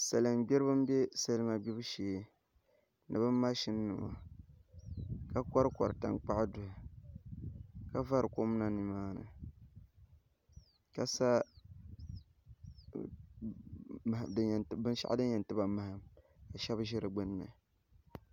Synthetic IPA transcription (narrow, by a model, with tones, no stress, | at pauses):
sa˨lɨ˨mɡ͡bɛ˦ɾɨ˦bɨ˦m˦be˦sa˦lɨ˦ma˨bi˦bɨ˦ʃeː˨ | nɨ̰˨bɨ˦mːa˦ʃɪ˦nː˦ɨ˨ma̰˨ | ka˦ka˦ɾkɔ̰˨ɾɨ˨ta̰˨ŋk͡pa˦ʔdʊ˨ha˨ | ka˦va˦ɾɨ˨ko˦m˦na˨ni˨maː˦nɨ̰˨ | ka˨sa˦˨ | dɨ˦˨n˨bɨ˦n˦ʃa̰˦ʔdɨ˦jɛ˨ntɨ˦ba˨ma˨ha˨m | a˨ʃɛ˦bʒɪ˦ɾɨ˨ɡ͡bɨ˦n˦mɛ̰˨